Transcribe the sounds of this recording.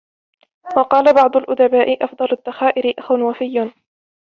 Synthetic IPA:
wɑqɑːlabɑʕd̪ˤʊlʔʊd̪abaːʔɪʔɑfd̪ˤɑlʊd̪ːaxaːʔɪɾɪʔaxwanwafɪjː

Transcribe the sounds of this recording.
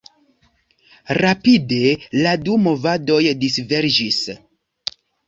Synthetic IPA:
ɾapide̞ladumo̞vado̞jdisve̞ɾd͡ʒis

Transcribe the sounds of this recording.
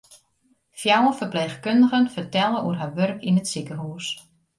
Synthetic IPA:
fjawəfərpleːxkøndəɣənfərtɛlˠəuərɦaʋørkinətsikəɦus

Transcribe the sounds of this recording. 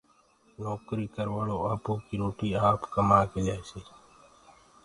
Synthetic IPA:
noːkɾiːkəɾʋaːɭoːaːpoːkiːɾoːʈiːaːpkəmaːkeːlaːjsiː

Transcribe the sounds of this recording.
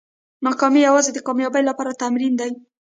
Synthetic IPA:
nɑkɑmijawɑzed̪əkɑmjɑbəjlapɑɾat̪amɾind̪aj

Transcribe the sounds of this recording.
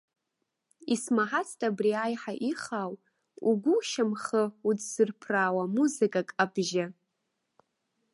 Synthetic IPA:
ismaħat͡sʰtʼabriajħaʔiχaw | uɡʷʊʃamχəut͡sʰz̥ɨrpʰraːwamuzɨkʼakʼabʒa

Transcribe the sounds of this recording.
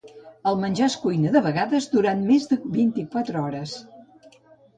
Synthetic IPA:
əlˠmənʲʒaskujnəðəβəɣaðəzd̪uɾanmezðəβint̪ikwat̪ɾəɔɾəs

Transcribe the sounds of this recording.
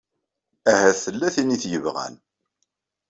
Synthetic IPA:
æhæθəlːæθiniθjəvʁæ̰n

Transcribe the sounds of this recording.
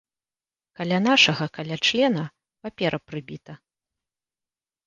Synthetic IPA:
kalʲanaʂɐɣɐkalʲat͡ʂlʲɛnɐ | papʲɛɾʔɐpɾɨbʲit̪ɐ

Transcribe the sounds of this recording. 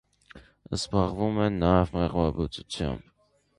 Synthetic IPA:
əsbɑʁvumɛnɑɛvmɛʁvɑbut͡sut͡sʰjɑ̰mb

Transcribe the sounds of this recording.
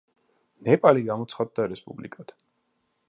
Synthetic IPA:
nɛpʼaliɡamɔt̪sʰχad̪̚d̪ːaɾɛspʼṵblḭkʼad̪̥

